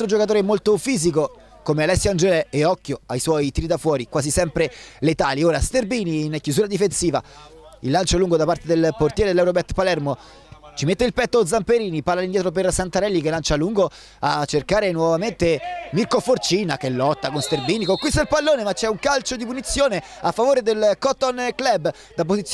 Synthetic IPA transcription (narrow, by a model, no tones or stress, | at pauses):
lt̪ɾod͡ʒokat̪oːɾeɛmːolt̪ofiːzik̬o | komealɛsːjand͡ʒɛlɛeɔkːjoajswɔjt̪iːɾid̪afwɔːɾikwaːzisɛmpɾelet̪aːlioːɾast̪erbiːninkːjuzuɾad̪ifensiːva̰ | ḭlːant͡ʃoaluŋɡod̪apart̪ed̪elport̪jɛɾed̪elːɛwɾobɛrt̪palɛrmo | t͡ʃimet̪ːeilpɛt̪ːod̪zampeɾiːnipaɾlːalind̪jɛt̪ɾop̬ersant̪aɾɛlːikelant͡ʃaluŋɡo | at͡ʃːerkaːɾenwɔvament̪emirkofort͡ʃiːnakelːɔt̪ːakonst̪erbiːnikoŋkwist̪ailpalːoːnemat͡ʃɛuŋkalt͡ʃod̪ipunit̪sːjoːneafːavoːɾed̪elkɔt̪ːonklɛbː | d̪ap̬ːozit̪s